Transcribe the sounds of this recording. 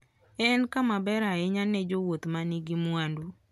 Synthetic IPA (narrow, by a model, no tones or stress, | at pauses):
ɛnkamabɛɾaɛɲanːɛd͡ʒowot̪maniɡimwandu